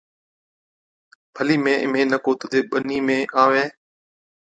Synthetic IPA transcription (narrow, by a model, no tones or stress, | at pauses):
bʰʱəliːmẽːʔɪ̰mẽːnəkoːt̪ʊd̪eːɓəniːmẽːʔaːʋẽː